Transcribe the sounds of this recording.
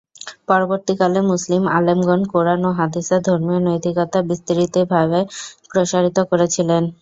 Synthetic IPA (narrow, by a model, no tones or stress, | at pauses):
pɔɾoboɾt̪ikalemuslimalemɡɔnkoɾanoɦad̪isad̪ʱoɾmijonojt̪ʰikɔt̪abist̪iɾit̪ebʱaβepɾoʃaɾit̪okoɾet͡ɕʰilen